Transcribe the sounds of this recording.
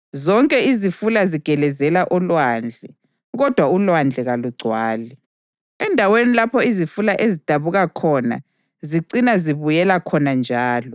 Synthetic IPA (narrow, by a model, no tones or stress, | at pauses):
zɔŋkʼɛizifulaziɡ̥ʱɛlɛzɛlaʔɔlwand͡ɮʱɛ | ɣɔd̥ʱwaulwand͡ɮʱɛɣaluɡ͡ǀʱwaːli | ɛndʱawenilapʰɔizifulaʔezid̥ʱaβuɣakʰɔna̰ | ziǀinaziβujɛlakʰɔnand͡ʒʱaːlɔ